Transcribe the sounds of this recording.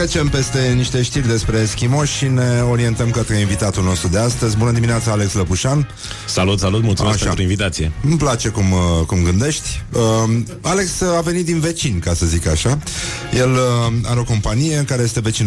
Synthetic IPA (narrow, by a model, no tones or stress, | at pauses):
ɾet͡ʃe̞mpe̞st̪e̞niʃt̪e̞ʃt̪irʲd̪e̞spɾe̞skʲimo̞ʃʃine̞o̞ɾie̞nt̪əmkət̪ɾe̞invit̪at̪ulno̞st̪ɾud̪e̞ast̪əzʲbunəd̪iminat̪səale̞ksləpuʃan | salut̪salut̪̚mult̪suumeaʃat̪ɾoinvit̪at̪siḛɨmplat͡ʃe̞kumkumɡɨnd̪e̞ʃt̪ʲə | ale̞ksave̞nit̪̚d̪inve̞t͡ʃinkasəzikaʃa | je̞la̰ɾeo̞ko̞mpanije̞ɨŋkaɾe̞je̞st̪e̞ve̞t͡ʃin